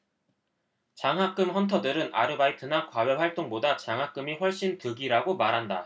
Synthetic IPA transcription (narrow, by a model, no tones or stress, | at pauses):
t͡ɕaŋɦak͈ɯmɸʌntʰʌdɯɾɯna̰ɾɯbaitʰɯnakwawʌɸwaɭt͈oŋbodat͡ɕaŋɦak͈ɯmiɸwʌɭɕ͈intɯɡiɾaɡomaɾɦanda